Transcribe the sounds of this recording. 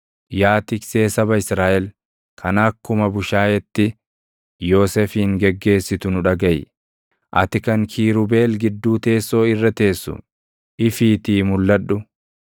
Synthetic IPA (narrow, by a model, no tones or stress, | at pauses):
jaːt̪ɪkseːsɐbɐɪsɾaːʔɛl | kʰɐnɐkːʊmɐbʊʃaːjɛt̪ːɪ | jo̞ːsefɪŋɡɛɡːe̞ːsːɪt̪ʊnʊᶑɐɡɐj | ʔɐ̰t̪ɪkɐŋkʰiːɾʊbe̞ːlɡɪd̪ːuːt̪e̞ːsːo̞ːɪrːɐt̪e̞ːsːʊ̰ | ʔɪfiːt̪iːmʊlːɐᶑːʊ